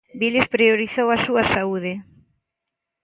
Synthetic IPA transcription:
bilespɾioɾiθowɐsuɐsauðɪ

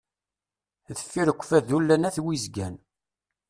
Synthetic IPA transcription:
ðəfːiɾəkʷːə̥fæðulːænæθwizɡæn

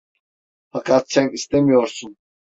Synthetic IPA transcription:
fakʰat̪sɛnist̪emijoɾsun

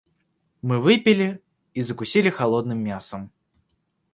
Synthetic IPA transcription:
mɨvɨpʲɪlʲɪ | izəkʊsʲilʲɪxalˠod̪nɨmːʲasəm

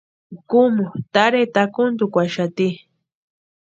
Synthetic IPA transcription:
kumʊt̪aɾet̪akʊnd̪ukʷaʃat̪i

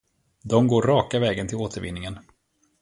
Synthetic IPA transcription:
d̪ɔmɡoːɾːɑːkavɛːɡənt̪ʰɪloːt̪ʰəɾvɪ̰nːɪŋən

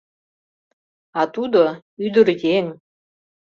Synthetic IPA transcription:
ɑt̪ud̪oyd̪ə̆rjeŋ

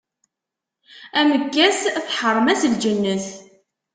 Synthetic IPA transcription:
æməkːæsθħərˤːəmæsəld͡ʒənːəθ

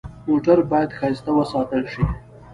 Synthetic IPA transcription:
moʈaɾbɑjad̪xɑjst̪awəsɑt̪əlʃi

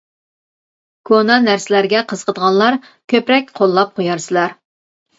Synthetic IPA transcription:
kʰonɑnæɾsɪlæɾɡʲɛqʰəz̥qʰəd̪əʁɑnlˠɑɾ | kʲʰøpɾɛk̚ʲqʰolˠːɑp̚qʰojɑɾsɨlˠɑɾ

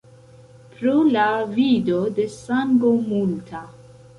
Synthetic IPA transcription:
pɾolavidode̞saŋɡomultʰa

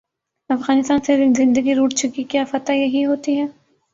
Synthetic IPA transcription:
ɐfɣaːnɪst̪aːnsezɪ̃nd̪əɡiɾuːʈt͡ʃʊkikjaːfɐt̪ajɐɦiɦoːt̪iɦɛː

